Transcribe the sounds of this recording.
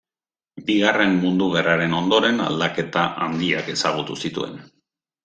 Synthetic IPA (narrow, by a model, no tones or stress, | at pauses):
biɣare̞mːund̪uɣ̞eraɾe̞no̞nd̪o̞ɾe̞na̰ld̪ake̞t̪aʔand̪iake̞saɣ̞ut̪usit̪ṵe̞̰n